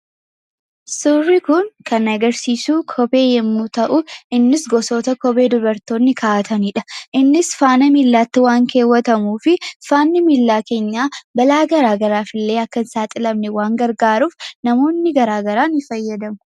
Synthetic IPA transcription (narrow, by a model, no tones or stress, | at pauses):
sʊrːɪkʊŋkʰɐnɐɡɐɾsiːsuːkʰɔbe̞ːjɛmːut̪ɐʔʊʔɪnːɪsɡɔsoːt̪ɐkɔbe̞ːd̪ʊbɐɾt̪o̞ːnːɪkʰaːɐt̪ɐniːᶑɐʔɪnːɪsfaːnɐmiːlːaːt̪ːɪwaːŋke̞ːwːɐt̪ɐmuːfɪfaːnːɪmilːaːke̞ːɲːaːbɐlaːɡɐɾaːɡɐɾaːfɪlːe̞ːɐkːɐnsaːt̪ʼɪlɐmnɛwaːŋɡɐɾɡaːɾuːfnɐmo̞ːnːɪɡɐɾaːɡɐɾaːnɪfɐjːɐd̪ɐmʊ̥